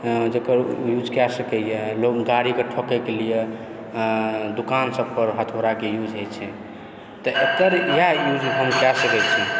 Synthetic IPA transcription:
d͡ʒəkəɾjud͡ʒkɛsəkɛjɛlokɡaɽikeʈʰɔkɛkelije | d̪ukansəb̚pəɾɦət̪ʰoɾakejud͡ʒʱɦet͡ʃʰɛ | t̪ɔet̪əɾjajud͡ʒɦəmkɛsəkɛt͡ʃʰi

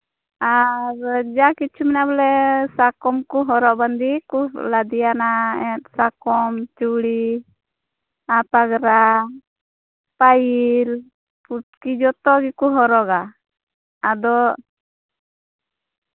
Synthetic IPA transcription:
aɾd͡ʒakit͡ʃʰumɛnabɔlɛsakɔmkuɦɔɾɔʔband̪ikulad̪ijanaɛt̪̚sakɔmt͡ʃuɽi | apaɡɾa | pajil | pukid͡ʒɔt̪ɔɡikuɦɔɾɔɡaː | d̪ɔʔ

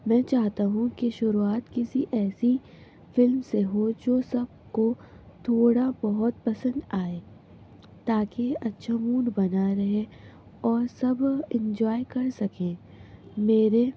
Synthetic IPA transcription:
mɛ̃ːt͡ʃaːɦt̪aɦũkeʃʊɾuaːt̪kɪsiʔɛːsi | fɪlmseɦod͡ʒoːsɐb̚ | ko | t̪ʰoːɽabɐɦʊt̪̚pɐsə̃nd̪aːeː | t̪aːkeʔɐtːʃʰamuːnbɐnaɾɐɦe | ɔːɾsɐbɪ̃ɲd͡ʒɔːjkɐɾsɐkẽː | meːɾe

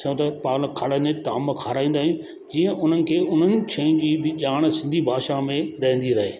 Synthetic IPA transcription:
t͡ɕɐjũt̪ɐpaːlkʰaːɽənet̪aːməkʰaːɾaːĩːnd̪aːũ | d͡ʑiːə̃ʔʊn̤ənɪ̆kʰeːʊn̤ənɪ̆t͡ɕʰɐ̃ĩd͡ʑiːbɪʄaːɽ̃sɪ̃nd̪ʱibʱaːʃamẽɾɐɦə̃nd̪iɾɐɦeː

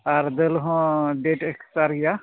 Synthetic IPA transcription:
aɾd̪elɦɔ̃ɖeʈeksaɾɡija

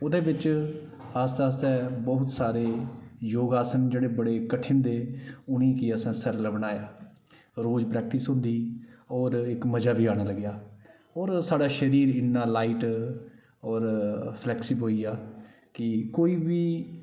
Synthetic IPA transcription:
ʊd̪eːʋɪt͡ʃ | ast̪aːsɛ̃ːbɔɦʊt̪saːɾeːjoːɡaːsənd͡ʒeːɽeːbəɽeːkəʈʰɪnd̪eːʊnĩːkɪəsɛ̃ːsəɾləbnaːjaː | ɾoːd͡ʒpɾɛːk̚ʈisɦʊ̃nd̪iːɔːɾɪkməd͡ʒaːʋiːaːɽ̃aːləɡjaː | ɔːɾsaːɖaːʃəɾiːɾɪnːaːlaːiːʈ | ɔːɾpʰlɛːksɪbɦoːiːaː | kɪkoːiːbiː

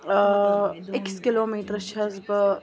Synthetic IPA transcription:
ɪkskɪloːmiːʈɾʃʰɐzbə

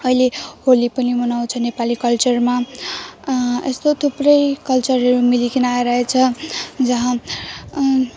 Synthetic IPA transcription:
ʌileholipʌnimʌnaw̃t͡sʰʌnepalikʌlt͡sʌrma | est̪ot̪ʰuprʌjkʌlt͡sʌrʌɾumilikinajɾʌɦet͡sʰʌd͡zʌɦã

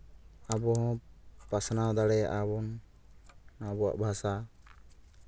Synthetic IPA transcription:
abɔɦɔ̃pasnawd̪aɽɛaʔabɔnː | abɔa̰ʔbʱasa

